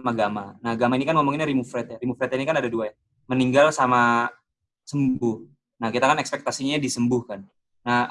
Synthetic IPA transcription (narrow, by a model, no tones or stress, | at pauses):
maɡamanahɡamainikanmomɔŋinɲaɾimufɾɛt̪̚jaɾimufɾɛt̪inikanadaduaja | məniŋɡalsama | səmbʊh | nahkit̪akanɛkspɛk̚t̪asiɲadisəmbʊhkanː | ah